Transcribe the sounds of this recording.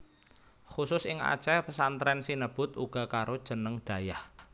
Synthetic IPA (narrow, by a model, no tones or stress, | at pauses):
xusʊsɪŋa̰̥t͡ʃɛpəsant̪ɾɛnsinəb̥ʊ̤t̪ṵɡ̥a̤kaɾod̥ʒ̥ə̤nəŋɖ̥a̤jah